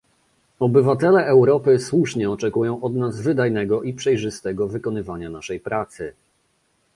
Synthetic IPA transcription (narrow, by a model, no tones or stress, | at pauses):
ɔbɘvat̪ɛlɛːwɾɔpɘswuʂɲɛɔt͡ʂɛkujɔ̃w̃ʔɔd̪nazvɘd̪ajnɛɡɔʔipʂɛjʐɘst̪ɛɡɔvɘkɔnɘvaɲanaʂɛjpɾat̪sɘ